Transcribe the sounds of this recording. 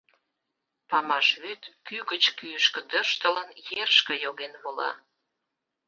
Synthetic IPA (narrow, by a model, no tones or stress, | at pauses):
pɑmɑʃβet̪kyɣət͡ɕkyəʃkə̆d̪ərʃt̪ələnjerʃkə̆joɣenβolɑ̰